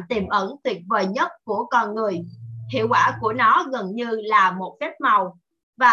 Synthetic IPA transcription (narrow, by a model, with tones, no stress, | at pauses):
t̪i˨˩mʔə˧˩˥nt̪ʰwi˨˩ət̚vəː˨˩jɲə˦˥t̚ku˧˩əkɔ˧nŋɨ˨˩əjh̪ḭ˧˨əwkwaː˧˩ku˧˩ənɔ˨˦ɣə˨˩nɲɨ˧laː˨˩mo˨˩t̚fɛ˦˥p̚ma˨˩w | vaː˨˩